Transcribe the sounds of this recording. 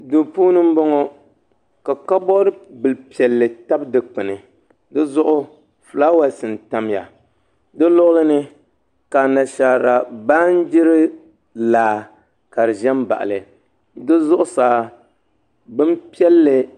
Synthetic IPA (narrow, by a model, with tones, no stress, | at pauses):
do˨puː˦nɨ˦m̩˦bɔ˦ŋɔ˦ | ka˨ka˦bɔ˦ɾɨ˦bɨ˨lpi˨ɛ˨lːɨ˨ta˦bdɨ˨k͡pɨ˨nɨ˨ | dɨ˦zʊ˦ʔʊ˦ | flaː˦wa˦sɨ˨n˨ta˦m˦ja̰˨ | dɨ˦lʊ˦ʔʊ˦lɨ˦nɨ˦ | ka˨na˨ʃaː˨ɾa˨ba˦n˦d͡ʒɪ˦ɾɨ˦ | laː˨ | ka˨ɾɨ˨ʒɛ˦mba̰˨ʔa̰˨lɨ˨ | dɨ˦zʊ˦ʔʊ˦saː˨ | bɨ˦m˦pi˦ɛ˦lːɨ˨